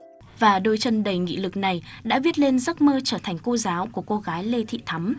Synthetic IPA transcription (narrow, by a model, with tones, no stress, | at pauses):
vaː˨˩ɗo˧jt͡ɕə˧nɗə˨˩jŋḭ˧˥lɨ˨˩k̚na˨˩jɗa̰ː˧˥vi˦˥ət̚le˧nzə˦˥t̚məː˧t͡ɕəː˧˩t̪ʰɛ˨˩ŋ̟ko˧zaː˨˦wku˧˩əko˧ɣaː˨˦jle˧t̪ʰḭ˧˨t̪ʰa˨˦m